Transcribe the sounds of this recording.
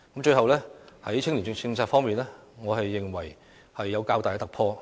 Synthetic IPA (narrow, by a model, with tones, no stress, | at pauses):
kmt͡ʃɵ˧ɥɦɐ˨wlɛː˥hɐ˨˥jt͡sʰɪ˥ŋli˨˩˧t͡ɕɪ˧ŋt͡sʰaː˧t̚fɔː˥ŋmiː˨nlɛː˥ŋɔː˨˧hɐ˨jːɪ˨ŋwɐ˨˩j | hɐ˨jːɐ˨˧wkaː˧wt̪aː˨jɛ˧t̪ɐ˨k̚pʰɔː˧